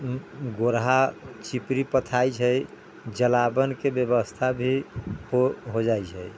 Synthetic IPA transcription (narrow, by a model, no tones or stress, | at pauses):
ɡoɾɦat͡ʃipɾipət̪ʰajt͡ʃʰəj | d͡ʒəlabənkebjəbəst̪ʰabʱihoɦod͡ʒajt͡ʃʰəj